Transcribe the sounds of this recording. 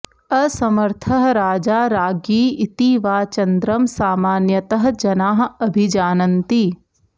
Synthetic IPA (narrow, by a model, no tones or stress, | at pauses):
ɐsɐmɐɾt̪ʰɐɦɾaːd͡ʒaːɾaːɡiːɪt̪iʋaːt͡ʃɐnd̪ɾɐmsaːmaːnjɐt̪ɐɦd͡ʒɐnaːɦɐbʱid͡ʒaːnɐnt̪i